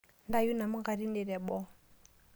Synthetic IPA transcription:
nda˦ju˦na˨mu˦ɡa˨ɾi˦nɛ˨ɾɛ˨bɔ˦

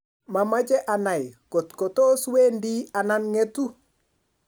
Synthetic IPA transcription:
ma˨ma˦d͡ʒɛ˦ʔa˨na˨jko˨tko˨to˦sweː˦ndi˦a˨na˦nŋe˦tu˦

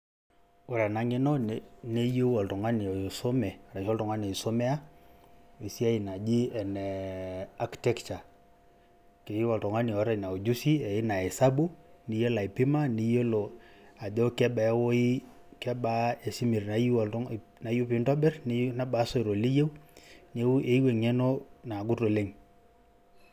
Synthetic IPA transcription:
o˨ɾa˨na˨˦ŋɪ˦nɔ˦nne˦jo˦wɔ˨ltɔ˨ŋa˦ni˨ɔ˨so˦mɛ˨a˨ɾa˨ʃɔ˦ltɔ˨ŋa˦ne˨i˨so˦mɛ˦a˦ | i˨si˦a˦i˨na˨d͡ʒi˦ɛ˨nɛ˨a˦ktɛ˦kt͡ʃa˨ | ke˨i˦wɔ˨ltɔ˨ŋa˦ni˨ɔ˨˦ɾa˨i˨na˨o˨d͡ʒu˦si˦ɛ˨ɪ˦na˨ɛ˨sa˦bu˦ni˨˦jo˦la˨i˨pi˦ma˦ni˦jo˦lo˨a˨dɔ˦kɛ˦ɓa˨˦wo˦i˦ | kɛ˦ɓa˦e˨si˦mi˨ɾna˨j | na˨ju˦pi˦ndɔ˦bɛ˦rni˦na˦ɓa˨˦so˦i˨ɾo˨li˦je˦wne˦u˦ʔe˨˦i˦we˨ŋɛ˦no˦na˨ɡu˦to˨le˦ŋ

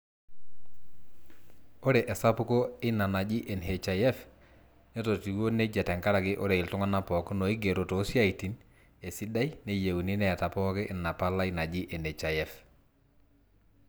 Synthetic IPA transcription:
o˦ɾe˨ʔɛ˨sa˦pʊ˦ko˦ɪ˦na˨na˨d͡ʒi˦ʔe˨nɦe˨t͡ʃa˨jɛ˦f | ne˦to˨ti˨wo˦ne˦d͡ʒɛ˨tɛ˨ŋka˦ɾa˨kɪ˦ʔo˦ɾe˨ɪ˨ltu˦ŋa˦na˦pɔ˨kno˨i˦ɡe˨ɾo˨to˨˦sja˦˨i˨ti˨n | e˨si˦da˦jne˦je˨wni˦nɛ˨ta˨pɔ˦kɪ˦ʔɪ˨na˨pa˦la˦i˦na˨d͡ʒi˦ʔe˨ne˨t͡ʃa˨jɛ˦f

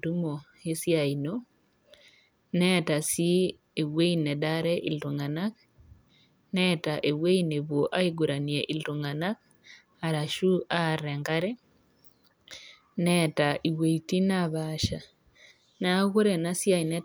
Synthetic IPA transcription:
du˦mo˨ | e˦sja˨i˨no | nɛ˦ta˨si˦ | e˨we˦i˦nɛ˨daɾɛ˦ʔḭ˨ltu˨ŋa˨nak | nɛtaʔe˨we˦i˦ne˨βwo˨ʔa˦i˦ɡu˨ɾa˨nieʔi˨ltu˨ŋa˨na˦k | aɾa˨ʃu˦a˦˨ɾɛ˨ŋɡa˦ɾɛ˦ | nɛtaʔi˨we˨i˨ti˦naβaʃa˨ | na˦ɣu˦ɾe˨na˦sjai˨nɛ˦

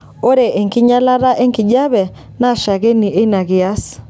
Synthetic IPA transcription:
o˦ɾe˨ʔe˨ŋkɪ˦ɲa˦la˦ɾa˦ʔe˦ŋkɪ˨d͡ʒa˦βɛ˨ | na˦˨ʃa˨ɣe˦ni˨ʔe˦na˨ɣɪ˨a˦s

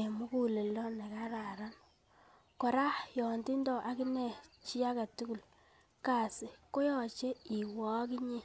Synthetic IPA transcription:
e˨mu˦ku˦le˨lɔ˦ne˨ka˦ɾa˨ɾa˦n | kɔ˨ɾa˦jɔ˨ndi˦ndɔ˨ʔa˦ki˦ne˨t͡ʃi˦a˦ka˨tu˦ku˨l | ka˨sɪ˨ko˦jɔ˨t͡ʃe˦i˨wɔ˨˦ki˦ɲi˦

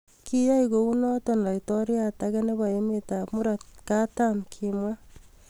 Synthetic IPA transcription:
ki˦ja˦iko˨u˦nɔ˦tɔ˨nla˨itɔ˦ɾjata˦ke˦ne˦ba˨e˦meta˨pmu˦ɾa˨t̚ka˦tamkʰimwa˦

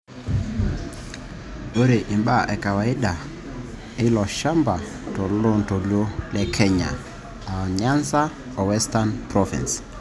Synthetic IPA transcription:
o˦ɾe˨ʔi˨mɓa˦˨ʔɛ˨ka˨wa˨ɪ˦da˨ | ɪ˦lɔ˨ʃa˦mba˨ | tɔ˨lɔ˦nto˨lo˦lɛ˦kʰɛ˦ɲa̰˨ | a˨ɲa˦nsa˦ | ɔ˨wɛ˦sta˦npɾɔvḭ˨ns

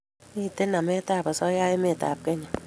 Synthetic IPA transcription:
i˦te˦na˨me˦ta˦˨pɔ˨sɔ˦ja˦je˦me˦˨ta̰˨p̚ke˦ɲe˨

